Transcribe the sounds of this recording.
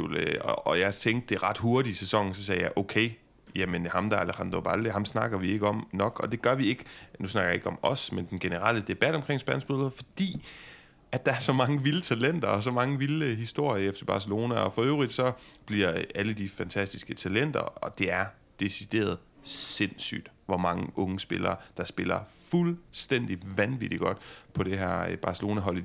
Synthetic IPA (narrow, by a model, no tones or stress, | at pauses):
løɒɒ̽jɑ̈ɪt͡sʰeŋɡ̥d̥̚ːe̝ʁɑ̈d̥ɦo̝ɐɾisesɒ̽ŋ̰n̩sɒ̽s̬ɛːjɑ̈ɪʔoʊkʰeɪ | jæmənhɑ̈md̥ɑ̈ælehɑnd̥ob̥ɑld̥əhɑ̈msnɑ̈ɡ̥ɐʋie̝ɡ̥əɒ̽mnɒ̽ɡ̥ɒ̽d̥e̝ɡ̥ɶɐʋie̝ɡ̥ənusnɑ̈ɡɐjeɡəɒ̽mɒ̽smend̥enɡ̥e̝nəʁɑləd̥e̝b̥æd̥ɒ̽mkʰʁeŋ̰sb̥ænsb̥oðˠfɒ̽d̥ḭː | ʔæd̥ɑ̈æɐsɒ̽mɑ̈ŋəʋilət͡sʰælen̰d̥ɐɒ̽s̬ɒ̽mɑ̈ŋəʋilɦisd̥o̝ɐ̰jəefd̥ɐb̥ɑ̈səlo̝ːnæɒ̽fɒ̽øʊʁid̥sɒ̽b̥liɐ̰æləd̥ifænt͡sʰæsd̥isɡ̥ət͡sʰælen̰d̥ɐ̰ɒ̽d̥e̝æɐ | d̥e̝sid̥e̝̰ːɐð̞ˠ | se̝n̰sy̰ːd̥ | ʋɒmɑ̈ŋəʔɔ̽ŋəsb̥e̝lɐːd̥ɑ̈sb̥e̝lɐfulsd̥en̰d̥iʋænʋid̥iɡ̥ɒ̽d̥pʰɒ̽ɾ̥e̝ɦæɐ̰b̥ɑ̈səlo̝ːnæɦɒ̽l̰